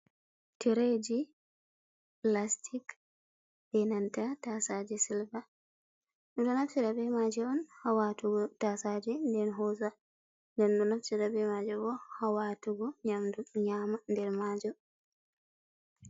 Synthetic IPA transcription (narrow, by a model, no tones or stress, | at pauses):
tɛɾed͡ʒi | plastʰik | dɛnantatasad͡ʒɛsilba | nɔdɔnafsiɾabɛmad͡ʒɛɔnhawatuɡɔtasad͡ʒɛndɛnɦɔza | ndɛnɗɔnafsiɾabɛmad͡ʒɛbɔhawatuɡɔɲamduɲamandɛɾmad͡ʒɔ